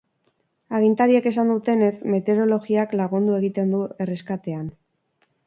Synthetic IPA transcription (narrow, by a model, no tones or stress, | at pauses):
aɣint̪aɾiake̞s̬and̪ut̪e̞ne̞sme̞t̪e̞ɾo̞lo̞ɣiaklaɣ̞und̪ue̞ɣit̪e̞nd̪ue̞re̞skat̪e̞an